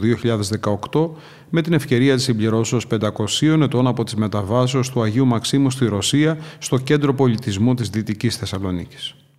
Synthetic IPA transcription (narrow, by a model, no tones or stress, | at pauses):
ðio̞çiʎɐðe̞zðe̞kɐo̞kt̪o̞ | me̞t̪ine̞fce̞ɾiɐt̪i̥simbliɾo̞seospe̞nd̪ɐko̞sio̞ne̞t̪o̞nɐpo̞t̪izme̞t̪ɐvɐseost̪uɐʝiumɐksimust̪iɾo̞siɐst̪o̞ce̞nd̪ɾo̞po̞lit̪izmut̪izðit̪icisθe̞sɐlo̞nḭci̥s